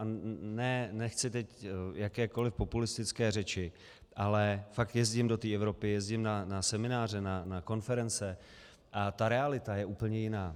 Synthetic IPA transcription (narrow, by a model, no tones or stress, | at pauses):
anɛnɛxt͡sɪt̪ɛcjakɛːko̞lɪfpo̞pulɪst̪ɪt͡skɛːrɛt͡ʃɪ | ʔalɛfak̚t̪jɛzɟɪmdo̞t̪iːɛvɾo̞pɪjɛzɟɪmnanasɛmɪnaːr̝ɛnanako̞nfɛɾɛnt͡sɛ | ʔat̪aɾɛalɪt̪ajɛʔuːpl̩ɲɛjɪnaː